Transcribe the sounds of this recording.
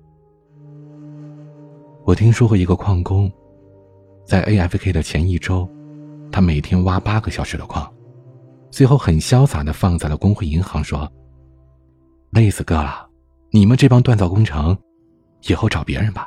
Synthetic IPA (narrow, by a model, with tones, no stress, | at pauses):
wɔ˨˩t̪ʰi˥ŋʂwɔ˥xwɔ˥i˧˥ɡə˧kʰwɑ˥˩ŋkʊ˥ŋ | t͡sa˥˩ɪʔe˥ɪɛ˥˩fkʰe˥ɪd̪ə˨t͡ɕʰjɛ˧˥ni˥˩ʈ͡ʂo˥ʊt̪ʰa˥me˨˩ɪt̪ʰjɛ˥nwa˥pa˥ɡə˨ɕjɑ˨˩ʊʂɻ̩˧˥d̪ə˧kʰwɑ˥˩ŋ | swe˥˧ɪxo˥˩ʊxə˨˩nɕjɑ˥ʊsa̰˨˩d̪ə˦fɑ˥˧ŋt͡sa˥˩ɪlə˩kʊ˥ŋxwe˥˩ɪi˧˥ŋxɑ˧˥ŋʂwɔ˥ | le˥˧˩ɪsɹ̩˨˩kɤ˥˩lɐ˨˩ | ni˨˩mə˦nʈ͡ʂɤ˥˩pɑ˥ŋt̪wa˥˧nt͡sɑ˥˧ʊkʊ˥ŋʈ͡ʂʰɤ˧˥ŋ | jɛ˨˩xo˥˩ʊʈ͡ʂɑ˨˩ʊpjɛ̰˧˥ɻə˧nbɐ˩